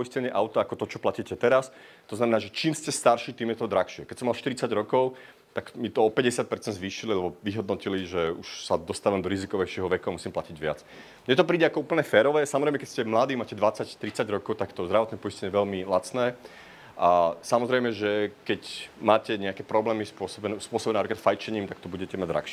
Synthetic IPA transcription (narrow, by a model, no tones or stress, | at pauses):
pɔiscɛɲɛʔaʊt̪aakɔt̪ɔt͡ʃɔplaciːcɛt̪ɛɾas | t̪ɔznamɛnaːʒɛt͡ʃiːmscɛst̪aɾʃiːt̪iːmjɛt̪ɔd̪ɾaxʃɪɛkɛcsɔmalʃt̪iɾit͡saɟɾɔkɔʊ | t̪akmit̪ɔɔpɛɟɛsɪat̪̚pɛɾt͡sɛnd̪zʋiːʃililɛbɔʋiɦɔd̪nɔciliʒɛuʃsad̪ɔst̪aʋamd̪ɔɾizikɔʋɛɪʃɪɛɦɔʋɛkuamusiːmplaciɟʋɪa̰t͡s | ɲɛt̪̬ɔpɾiːɟɛakɔuːpl̩ɲɛfɛːɾɔʋɛsamɔzɾɛjmɛkɛscɛmlad̪iːmaːcɛd̪ʋat͡sact̪ɾit͡saɟɾɔkɔʊt̪akt̪ɔzd̪ɾaʋɔt̪nɛpɔiscɛɲɛjɛʋɛlmilat͡snɛː | ʔasamɔzɾɛjmɛʒɛkɛcmaːcɛɲɛakɛpɾɔblɛːmispʊɔsɔbɛnɛspʊɔsɔbɛnɛnapɾikat̪fajt͡ʃɛɲiːmt̪akt̪ɔbuɟɛcɛmaɟd̪ɾa̰xʃɪɛ